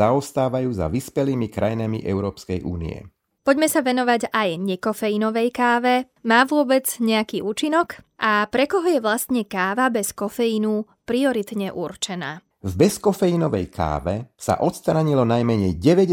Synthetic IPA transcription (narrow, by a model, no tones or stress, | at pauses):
aɔst̪aːʋajuːza̰ʋispɛliːmikɾʔajnamḭʔɛʊɾɔːpskɛjʔṵːnḭɛ̰ | pɔɟmɛsaʋɛnɔʋaɟajɲɛkɔfɛjinɔʋɛjkaːʋɛ | maːʋʊɔbɛd͡zɲɛakiːʔuːt͡ʃinɔk | ʔapɾɛkɔɦɔjɛʋlast̪ɲɛkaːʋabɛskɔfɛjinu | pɾiɔɾit̪ɲɛʔurt͡ʃɛna̰ː | vbɛskɔfɛinɔʋɛ̰jkʰa̰ːʋɛsa̰ʔɔt̪st̪ɾaɲilɔnajmɛɲɛjɟɛʋɛɟ